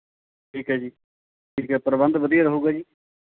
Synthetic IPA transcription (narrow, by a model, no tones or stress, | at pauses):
ʈʰiːkɦɛːd͡ʒiː | ʈʰiːkɛːpəɾəbənd̪ʋəd̪ijaːɾəɦuːɡaːd͡ʒiː